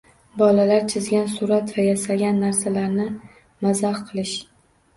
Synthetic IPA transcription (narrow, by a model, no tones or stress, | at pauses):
bɒlalaɾt͡ʃʰɪzɡʲansʊɾat̪vajasaɡʲanːaɾsalaɾnɪ | mazahqʰɨlˠɪʃ